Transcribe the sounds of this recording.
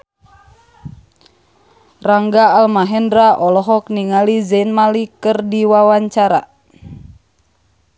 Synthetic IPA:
raŋɡaːlmaɦɛndɾaʔɔlɔɦɔk̚niŋalizɛnmalikɨrdiwawaɲt͡ʃaɾa̰

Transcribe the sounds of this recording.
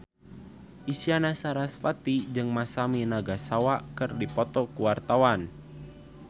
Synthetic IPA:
ʔisianasaɾasfat̪id͡ʒɨŋmasaminaɡasawaʔkɨrdipɔt̪ɔkuwart̪awan

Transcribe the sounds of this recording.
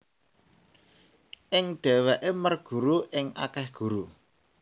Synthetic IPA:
ʔɪŋɖ̥ɛ̤weʔemərɡ̥ṳɾuʔɪŋa̰kɛhɡ̥ṳɾu

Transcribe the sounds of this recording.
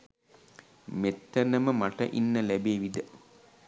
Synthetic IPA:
met̪ːənəməmaʈəʔinːəlæbeːʋid̪ə

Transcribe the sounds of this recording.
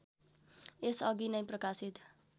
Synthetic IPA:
esʌɡinʌjprʌkasit̪

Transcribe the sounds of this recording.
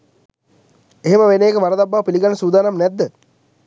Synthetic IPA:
eɦeməʋenejːkəʋaɾəd̪abːaʋpiliɡanəsuːd̪aːnamnɛd̪ːə

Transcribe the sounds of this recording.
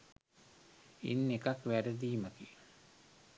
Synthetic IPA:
ḭnːekakʋæɾəd̪iːməki

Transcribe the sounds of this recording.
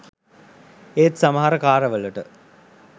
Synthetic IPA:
eːt̪saməɦaɾəkaːɾəʋələʈə

